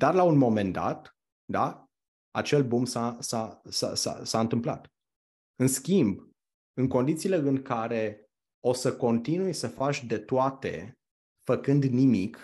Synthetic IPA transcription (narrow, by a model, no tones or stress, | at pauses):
d̪̥arlaunmo̞me̞nd̪a̰t̪ | d̪a | a̰t͡ʃe̞lbumsasasa̰sa̰saɨnt̪ɨmpla̰t̪ | ɨnskʲimb | ɨŋko̞nd̪it̪siːle̞ɨŋkaɾe̞ | o̞səko̞nt̪inujsəfat͡ʃʲd̪e̞t̪oat̪e̞̰ | fəkɨnd̪nimik